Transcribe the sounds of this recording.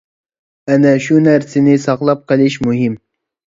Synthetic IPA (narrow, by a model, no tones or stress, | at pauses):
ænæʃunæɾsɪnɪsɑqlˠɑp̚qɨlɪʃmʊɦim